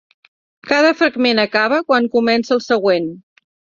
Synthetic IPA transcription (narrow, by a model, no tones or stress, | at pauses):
kaðəfɾəɡmenəkaβ̞əkwaŋkumɛnsəːlˠsəɣwen